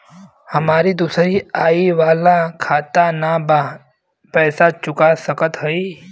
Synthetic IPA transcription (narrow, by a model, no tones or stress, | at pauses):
həmaːɾid̪uːsɾiaːiʋaːlakʰaːt̪anaba | pɛːsat͡ʃʊkasəkət̪ɦoiː